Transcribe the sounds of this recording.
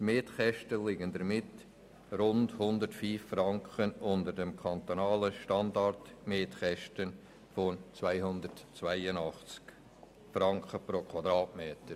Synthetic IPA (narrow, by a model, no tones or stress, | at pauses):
tmeːtχɛʃtəlɪɡəndəɾmɪt | ɾʊndhʊnd̪ətfiːffrɑŋkχənʊndəɾdɛmkʰɑnt̪onɑːləʃtɑndɑrtmeːtχɛʃtən | fɔnt͡svæɪhʊnd̪ətt͡svæɪənɑχt͡sk | fɾɑŋkχəpɾokʰwɑd̪ɾɑːtmeːtəɾ